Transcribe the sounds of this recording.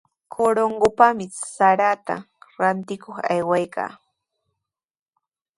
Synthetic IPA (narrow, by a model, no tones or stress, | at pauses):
kʰoɾoɴɢopamɪsaɾat̪a̰ | ɾant̪ɪkoχajwajkʰa̰ː